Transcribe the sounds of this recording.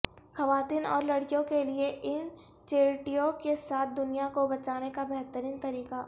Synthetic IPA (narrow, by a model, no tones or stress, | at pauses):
xɐʋaːt̪iːnɔ̰ːɾlɐɽkijõkelieʔɪn | t͡ʃeːɾʈijõkesaːt̪̚ʰd̪ʊnijakobɐt͡ʃaːnekabɛɦt̪əɾiːnt̪ɐɾiːqa